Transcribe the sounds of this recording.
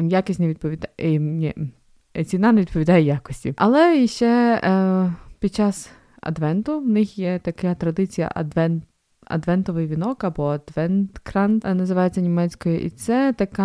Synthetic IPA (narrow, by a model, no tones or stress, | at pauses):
jakɪsʲnʲeʋʲid̪̚pɔʋʲid̪nʲi | t͡sʲinɑneʋʲid̪̚pɔʋʲid̪ɑjɛjakɔsʲtʲiʔɐlˠɛʃt͡ʃɛ | pʲid̪̚t͡ʃɑs | ɐ̰d̪ʋɛnt̪ʊwnɪxjɛt̪ɐkat̪ɾɐd̪ɪt͡sʲijɐ̰ʔɐd̪ʋɛn | ɐ̰d̪ʋɛnt̪ɔʋɪjʋʲinɔkɐbɔɐd̪ʋɛnt̪kɾɑnnɐzɪʋɑjet͡sʲːɐnʲimɛt͡sʲkɔjʊʔḭt̪sɛt̪ɐkɑ